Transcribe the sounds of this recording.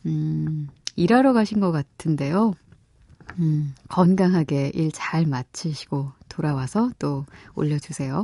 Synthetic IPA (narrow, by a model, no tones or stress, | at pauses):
ɯ | iɾaɾoɡaɕʰinɡʌk͈atʰɯnde̞jo | ɯkʌnɡaŋɦaɡe̞ʔiɭt͡ɕaɭmat͡ɕʰɯɕʰi̥ɡ̥otoɾawasʰʌt͈oo̰ʎːʌd͡ʑusʰe̞jo